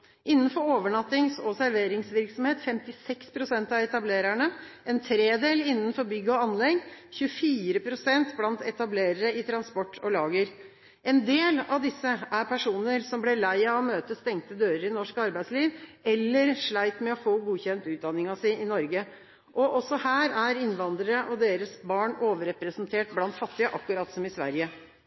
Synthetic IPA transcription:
ʔɪnːənfɔɾoːʋəɳɑt̪ːɪŋsɔsæɾʋeːɾɪŋsʋɪɾksɔm̩heːt̪fɛmt̪ɪsɛkspʰɾʊsɛnt̪ɑɛt̪ɑbleːɾæɳəʔɛnt̪ʰɾeːd̪eːlɪnːənfɔɾbʏɡːəɔɑnlɛɡçʉəfiːɾəpʰɾʊsɛnt̪blɑnt̪ɛt̪ɑbleːɾəɾəɪt̪ʰɾɑnspɔʈʰːɔlɑːɡəɾ | ɛnd̪eːlɑʋd̪ɪsːəʔæɾpʰæʂuːnəɾsɔmblɛlæɪɑɔmøːt̪əst̪ɛŋt̪əd̪øːɾəɾɪnɔʂkɑɾbæɪsliːʋɛlːəɾʂɭæɪt̪mɛɔfoːɡuːçɛnt̪ʉːd̪ɑnːɪŋɑsɪɪnɔɾɡə | ʔɔʔɔsɔhæːɾæɾɪnʋɑnd̪ɾəɾəʔɔd̪eːɾəsbɑːɳoːʋəɾɛpɾəsnt̪ʰeːʈblɑnt̪fɑt̪ːɪəʔɑkːʉɾɑt̪sɔmɪsʋæ̰ɾjə

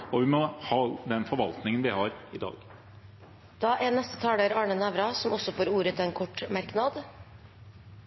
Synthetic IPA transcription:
ɔʋɪmɔhɑːd̪ɛnfɔɾʋɑlt̪nɪŋənʋɪhɑɾɪd̪ɑ̰ːɡ̥ | d̪̥ɑːʔɛnɛst̪ə̥t̪ʰɑːɽəɾɑːɳənæʋɾɑsɔmɔsɔfoːɾuːɾət̪ʰɪeːnkʰɔʈːmæɾknɑd̪

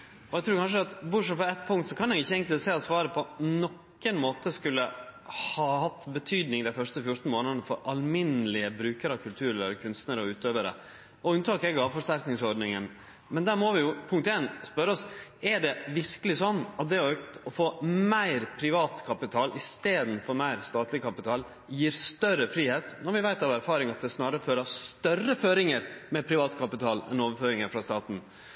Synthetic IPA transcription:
ɔɛɡt̪ɾuːɾkɑnʂ̬əɑt̪bʊʂɔfɔɛt̪ːpʰʊŋt̪sɔkʰɑnɛɡɪçːəɛŋklseːɑt̪sʋɑːɾəpʰɔnɔkː | ənmoːt̪əskʉlːəhɑhɑt̪ːbət̪ʰyːd̪nɪŋd̪æɪfœʂtəfjʊʈ̪n̩moːnəd̪nəfɔɾʔɑlmɪnəlɪəbɾʉːkəɾɑkʰʉlt̪ʰʉːɾɛlːkʰʉnst̪nəɾɔʉːt̪øːʋəɾə̰ | ɔʉnt̪ʰɑːkɛɡɑʋfɔʂt̪æɾknɪŋsɔɾɖnɪŋən | mɛnd̪æːɾmɔʋɪjʊpʰʊŋkt̪eːnspœɾɔsɛɖɛʋɪɾkəlɪsɔnːɑt̪̚d̪ɛɔøkt̪ɔfoːmæɪɾpʰɾɪʋɑːt̪kʰɑpɪt̪ʰɑːlʔɪst̪eːd̪n̩fɔɾmæɪɾst̪ɑːt̪ʰlɪkʰɑpɪt̪ʰɑːl | jiːɾst̪œɾəfɾiːheːt̪nɔɾʋɪʋæɪt̪ɑʋæɾfɑːɾɪŋɑt̪̚d̪ɛsnɑːɾəføːɾəst̪œrːəføːɾɪŋəɾmɛpʰɾɪʋɑːt̪kʰɑpɪt̪ʰɑːlɛ̰noːʋəɾføːɾɪŋəɾfɾɑst̪ɑːt̪n̩

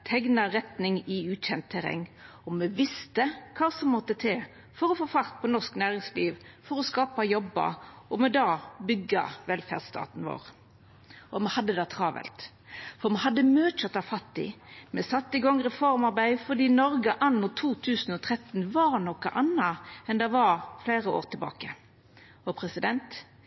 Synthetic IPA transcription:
t̪ʰɛɡnɑɾɛt̪nɪŋɪʉːt̪ɕɛnt̪t̪ʰːɛɾɛ̰ŋː | ɔmɛʋɪst̪əkʰɑːsɔmːɔt̪ːət̪ʰɛː | fɔɾɔfoːfɑʁt̪̚pʰɔnɔsknæːɾɪŋsliːʋfɔɾɔskɑːpɑjɔbːə̰ɔmɛd̪ɑːbʏɡːə̰ʋɛlfæ̰ʁd̪st̪ɑ̰ːt̪n̩ʋo̰ːɾ | ʔɔmɛhɑd̪ːəd̪ɑt̪ʰʁɑːʋɛ̰lt̪ | fɔʁmɛɦɑd̪ːəmøːt͡ʃət̪ɑfɑt̪ːɪ̰mɛsɑt̪ːɪɡɔŋːɾɛfɔɾmɑʁbæɪfɔʁd̪iːnɔɾɡəʔɑnːʊt̪ʰuːt̪ʰʉːsn̩ɔt̪ʰʁɛt̪ːnʋɑɾnɔkɑ̰ʔɑnːɑɛnd̪ɛʋɑɾfleːɾəo̰ːɾt̪ʰɪlbɑ̰ːkə | ɔpʰɾɛsɪd̪ɛnt̪

